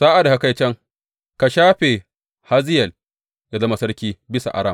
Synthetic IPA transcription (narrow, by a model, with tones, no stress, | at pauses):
saː˦ʔa˨da˨ka˨ka˦˨jt͡ʃɐ˦ŋ | ka˨ʃaː˦ɸe˨ | ha˦zɪ˦jɛ˨l | ja˦zɐ˦ma˨sɐ˦rkʲiː˦bɪ˦sa̰˨ʔa̰˨ɾaː˦˨m